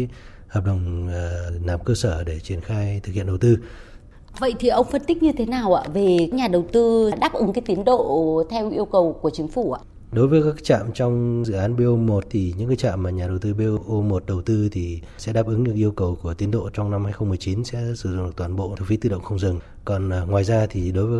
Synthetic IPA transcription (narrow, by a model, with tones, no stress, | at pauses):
həː˨˩p̚ɗə˨˩wŋ͡m | laː˨˩mkəː˧səː˧˩ɗe˧˩t͡ɕi˧˩ənxaː˧jt̪ʰɨ˨˩khḭ˧˨ənɗə˨˩wt̪ɨ˧ | və̰˧˨jt̪ʰi˨˩ʔə˧wŋ͡mfə˧nt̪ï˦˥k̚ɲɨ˧t̪ʰe˨˦naː˨˩wʔa̰ː˧˥ve˨˩˦ɲaː˨˩ɗə˨˩wt̪ɨ˧˨˧ɗaː˦˥p̚ʔɨ˨˦ŋkaː˨˦jt̪i˨˦ənɗo̰˧˨t̪ʰɛ˧wʔi˧əwkə˨˩wku˧˩ət͡ɕï˨˦ŋ̟fu˧˩a̰ː˧˩ | ɗo˨˦jvəː˨˦jkaː˦˥kːk̚t͡ɕa̰ː˧˨mt͡ɕɔ˧wŋ͡mzɨ̰˧˨ʔaː˨˦nɓe˧ʔo˧mo˨˩t̚t̪ʰi˨˩ɲɨ̰˧˥ŋkaː˨˦˥jt͡ɕa̰ː˧˨mːaː˨˩ɲaː˨˩ɗə˨˩wt̪ɨ˧ɓe˧ʔo˧mo˨˩t̚ɗə˨˩wt̪ɨ˧t̪ʰi˨˩ | sɛ̰˧˥ɗaː˦˥p̚ʔɨ˨˦ŋɲɨ̰˧˥ŋʔi˧əwkə˨˩wku˧˩ət̪i˨˦ənɗo̰˧˨t͡ɕɔ˧wŋ͡mna˧mhaː˧jxə˧wŋ͡mmɨ˨˩ət͡ɕi˨˦nsɛ̰˧˥sɨ˧˩z̰ŋ͡mɗɨ˨˩k̚t̪waː˨˩nɓo̰˧˨t̪ʰu˧˩fi˨˦t̪ɨ˧ɗə̰˧˨wŋ͡mxə˧ŋ͡mzɨ˨˩ŋ | kɔ˨˩n˨˩ŋwaː˨˩jzaː˧t̪ʰi˨˩ɗo˨˦jvəː˨˦